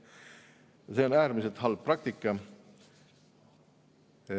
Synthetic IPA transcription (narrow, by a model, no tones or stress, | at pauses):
seo̞næːɾmiselt̪ɦɑlb̥̚prɑk̚t̪ikːˑɑ